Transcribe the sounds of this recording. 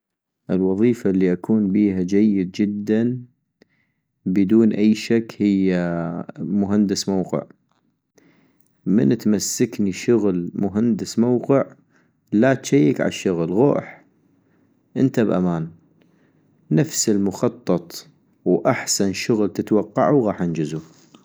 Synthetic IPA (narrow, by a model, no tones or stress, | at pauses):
ʔɪlwɑðˤiːfalːiʔakʰuːnbiːhad͡ʒajːɪd̪̚d͡ʒɪd̪ːan | bəd̪uːnʔajːʃakːhɪjːa | mʊɦand̪ɪsmawqɪ̰ʕ | mɪ̰nt̪masːakniʃʊɣlmʊɦand̪ɪsmawqɪʕ | lat̪ʃajːɪkʕa̰ʃːʊɣlɣo̰ːħ | ʔɪnt̪abʔa̰maːn | afsɪlmʊxɑt̪ˤːɑt̪ˤ | wʔaħsanʃʊɣlt̪ət̪wɑqːɑʕuwɣɑːħʔɪnd͡ʒɪzu